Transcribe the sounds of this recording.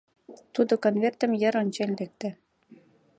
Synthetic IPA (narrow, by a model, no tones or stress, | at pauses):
t̪ud̪ŏkonvʲert̪ɘ̆mjɘ̆ɾɤ̆nʲt͡ɕenʲlek̚t̪ɘ̆